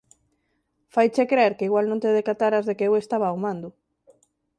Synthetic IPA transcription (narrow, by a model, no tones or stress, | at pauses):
fajt͡ʃekɾeeɾkeiɣwalnõnt̪eðekat̪aɾazðekeewest̪aβaumãnd̪ʊ